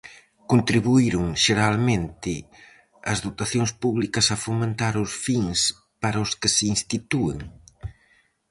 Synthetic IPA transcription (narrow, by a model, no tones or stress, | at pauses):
kont̪ɾiβuiɾʊŋʃeɾalmẽnt̪ɪ | ɐzðot̪aθjoŋspuβlikɐsɐfomẽnt̪aɾʊsfiŋs | paɾɐʊskɪseinst̪it̪uḛŋ